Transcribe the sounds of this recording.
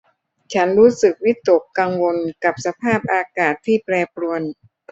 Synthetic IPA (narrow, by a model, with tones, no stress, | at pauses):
t͡ɕʰa˦˥nɾuː˦˥sɯ˨˩k̚wi˦˥t̪ːo˨˩kːaː˧ŋwo˧nka˨˩p̚sa˧pʰaː˥˩p̚ʔaː˧kaː˨˩t̪ʰːiː˥˩plɛː˧pɾu˧ən